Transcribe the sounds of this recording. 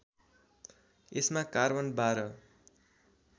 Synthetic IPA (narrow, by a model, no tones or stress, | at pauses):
esmakarbʌnbaɾʌ